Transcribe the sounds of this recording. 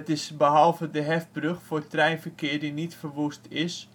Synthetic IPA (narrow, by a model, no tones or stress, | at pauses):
tɪsbəɦɔlˠvədəɦɛfbrøxfʊːrtrɛjnfərkɪːrdinitfərʋustʰɪs